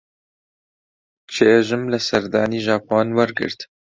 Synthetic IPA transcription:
t͡ʃʰeʒɨmlɛsɛɾd̪aːniːʒɑːpʰoːnwɛɾɡɨ̰ɾt̪

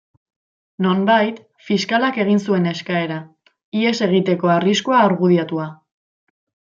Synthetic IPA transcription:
no̞mbajt̪ | fiskalake̞ɣ̞insue̞ne̞skae̞ɾa | ie̞se̞ɣ̞it̪e̞ko̞ariskoaːɾɣuðiat̪ua

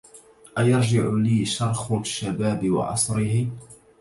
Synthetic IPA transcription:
ʔajɑɾˤd͡ʒɪʕʊliːʃɑɾˤxʊʃːabaːbɪwɑ̰ʕɑ̰sˤɾɪɦɪ

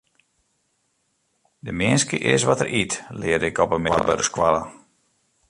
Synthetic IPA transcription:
dəmɪənskəʔɪ̰sʋɔtərʔitlɪədɪkɔpəmɪʋɔ̰rbədəskwalə

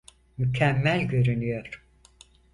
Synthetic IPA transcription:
mycʰæmːælʲɟø̞ɾynyjoɾ̥

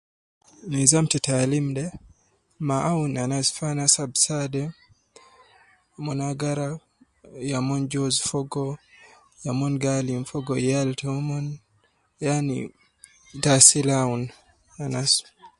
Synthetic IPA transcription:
nizamtɛtalimdɛ | maʔaunanasfanasabsadɛ | mɔnaɡaɾa | jamɔnd͡ʒɔzfɔɡɔ | jamɔnɡalimfɔɡɔjaltɛɔmɔn | janḭ | dasilaun | anas

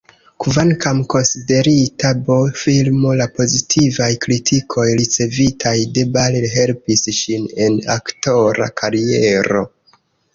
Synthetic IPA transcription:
kvaŋkamko̞nside̞ɾitabofilmo̞lapo̞zitʰivajkɾitʰikʰo̞jɾit͡se̞vitʰajde̞balilɦe̞lpisʃine̞na̰kto̞ɾa̰kʰaɾieɾo̞̰

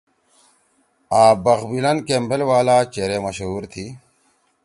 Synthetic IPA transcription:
aːbɐɣbilɐnkembelwaːlaːt͡ɕeːɾemɐɕɦuːɾt̪ʰi

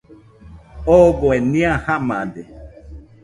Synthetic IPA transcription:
oboenĩãhamãd̪e

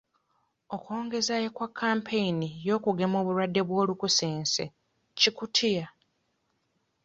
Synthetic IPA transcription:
okwo̞ːŋɡe̞zajekwakʰːaːmpʰe̞jinijo̞ːkuɡe̞mo̞ːβuɾwadːe̞βwo̞ːlukuseːnse̞̰ | cikutʰija

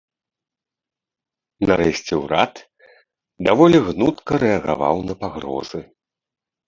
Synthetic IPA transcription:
naɾɛsʲt͡sʲɛwɾat̪ | d̪avɔlʲiɣnut̪kɐɾɛɐɣa̰va̰wnɐpaɣɾɔ̰zɨ

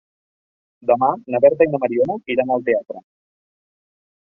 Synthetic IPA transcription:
d̪amanaβeɾt̪ajnamaɾionoiɾanalt̪eat̪ɾa

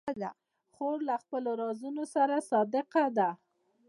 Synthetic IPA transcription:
d̪a̰ | xoɾlaxpəloɾɑzunosaɾasɑd̪ɪqad̪a

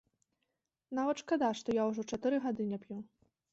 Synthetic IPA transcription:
navɐt̪ʂkad̪aʂt̪ɔjawuʐɔt͡ʂat̪ɨɾɨɣad̪ɨnʲɛpʲju

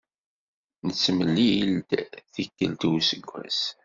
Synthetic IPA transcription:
nət͡sːməlːijəld̪θikːəlt̪uwsəɡʷːæ̰s

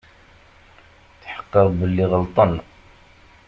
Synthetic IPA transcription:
θħə̥qːəðˤbəlːiʁəlt̪ˤən

